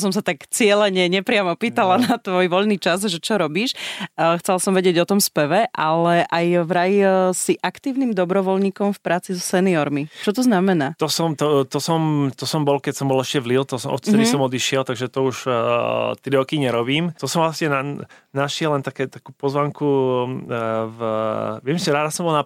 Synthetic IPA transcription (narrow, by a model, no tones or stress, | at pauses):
s̬ɔmsat̪akt͡sɪɛlɛɲɛɲɛpɾɪamɔpiːt̪alanat̪ʋɔjʋɔʎniːt͡ʃazʒɛt͡ʃɔɾɔbiːʃxt͡sɛlasɔmʋɛɟɪɛɟɔt̪ɔmspɛʋɛʔalɛʔajvɾajisiʔakt̪iːʊniːmd̪ɔbɾɔʋɔlɲiːkɔmfpɾʔaːt͡sizɔsɛniɔɾmit͡ʃɔt̪ɔznamɛnaːt̪ɔsɔmt̪ɔt̪ɔsɔmt̪ɔsɔmbɔlkɛcsɔmbɔlɛʃcɛʋlilt̪ɔsɔmʔɔ̰t̪t͡s̪ɛɾisɔmɔd̪iʃɪɛlt̪aɡʒɛt̪ɔuʒ | t̪ɾiɾɔkiɲɛɾɔbiːmt̪ɔsɔmvlasɲɛnanaʃɪɛlɛnt̪akɛːt̪akuːpɔzʋaŋku | vʋɪɛmsiɾaːd̪asɔmbɔlna